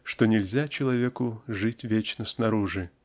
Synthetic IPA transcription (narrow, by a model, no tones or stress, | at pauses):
ʂt̪onʲɪlʲzʲat͡ɕɪlˠɐvʲekʊʐɨtʲvʲet͡ɕnəsnɐɾuʐɨ